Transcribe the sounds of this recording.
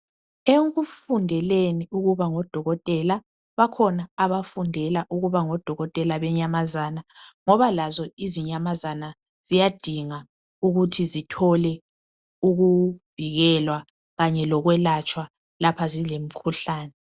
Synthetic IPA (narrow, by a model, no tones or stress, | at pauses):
eŋufundʱɛleniuɣuβaŋɔd̥ʱɔɣɔtʼɛla | βakʰɔnaːβafundʱɛlaʔuɣuβaŋɔd̥ʱɔɣɔtʼɛlaβɛɲamazaːnaŋɔβalazɔiziɲamazana | z̥ijad̥ʱiŋa | uɣutʰizitʰɔlɛ | uɣuv̥iɣɛlwa | ɣaɲɛlɔɣwɛlat͡ʃʼwa | lapʰazilem̩kʰuɬaːnɛ